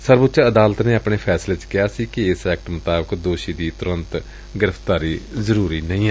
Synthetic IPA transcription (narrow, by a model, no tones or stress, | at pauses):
səɾbʊt̪ːt͡ʃəd̪aːlət̪neːaːpɳeːpʰɛːsleːt͡ʃkɪjaːsiːkiɪsɛːk̚ʈmʊt̪aːbəkd̪oːʃiːd̪iːt̪ʊɾə̃nt̪ | ɡɪɾəpʰt̪aːɾiːzəɾuːɾiːnə̃ĩːɛː